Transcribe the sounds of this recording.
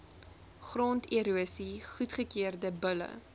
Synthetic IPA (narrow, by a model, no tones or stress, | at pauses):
χrontiɾuəsiχutχəkiərdəbələ̰